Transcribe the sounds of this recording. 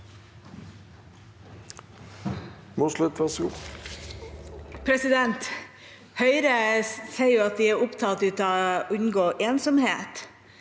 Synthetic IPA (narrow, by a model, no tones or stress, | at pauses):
muslɪt̪ʋɛsɡuː | pʰɾɛsɪd̪ɛnt̪ | hœʏɾəseɪjuːɑt̪̚d̪iːæːɾʊpt̪ʰɑːlt̪ʉːt̪ɑʔʉɲɡoːʔeːnsɔmheːt̪